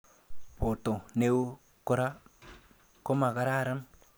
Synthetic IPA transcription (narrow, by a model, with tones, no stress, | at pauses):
po˨to˨ne˦w | ko˦ɾa˦ | ko˦ma˨ka˦ɾa˦˨ɾa˦n